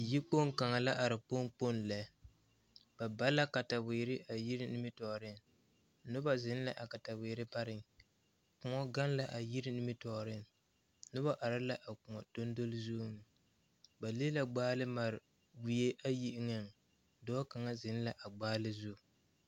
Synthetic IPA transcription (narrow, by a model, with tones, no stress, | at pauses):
ji˦k͡po˦ŋ˦ka˨ŋa˨la˦ʔa˨ɾɪ˨po˦ŋ˦k͡po˦nla˨ | b̥a˨ba˦la˦ka˨ta˨wɪ˨ɾɪ˦ʔa˨ji˦ɾɪ˦nɪ˦mɪ˦tɔ˨ɾɪ˦n | nʊ˦ba˦zɪ˦n˦la˨ʔa˨ka˨ta˨we˨ɾɪ˦ba˦ɾɪ˦ŋ | kʊ˨ŋɔ˦ɡa˦n˦la˨ʔa˨ji˦ɾɪ˦nɪ˦mɪ˦tɔ˨ɾɪ˦n | nʊ˦ba˦ʔa˨ɾa˦la˦ʔa˨ku˨ŋɔ˨to˦ndo˦lzuː˦nɨ˨ | ba˨li˦la˨ɡ͡baː˦lɨ˦ma˨ɾɪ˨ | ɡi˨je˦ʔa˦ji˦ʔɪ˦ŋa˦n˨ | dɔː˦ka˨ŋa˦zɪ˨n˦la˨ʔa˨ɡ͡baː˦lɨ˦zu˦˨